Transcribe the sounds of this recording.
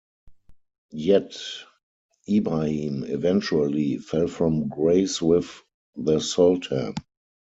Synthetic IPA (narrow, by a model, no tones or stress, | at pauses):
jɛt | ibɹahĩːmɛvɛ̃nt͡ʃuəlifɛlfɹɔ̃mɡɹeɪswɪð | ðəsɔltʰə̰̃